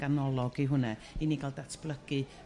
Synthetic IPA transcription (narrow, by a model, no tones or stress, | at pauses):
anɔlˠɔɡiɦʊnɛiniɡalˠdatʰb̥lˠəɡ̥ɨ